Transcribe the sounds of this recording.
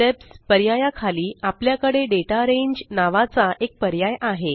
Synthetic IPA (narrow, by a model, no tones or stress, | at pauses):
t̪epspəɾjajakʰaliːapljakəɽeɖeʈaɾeɲd͡ʑnaʋat͡saʔek̚pəɾjajʔaɦe